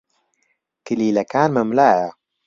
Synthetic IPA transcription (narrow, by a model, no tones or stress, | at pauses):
kɨliːlɐkaːnmɐmlaːjɐ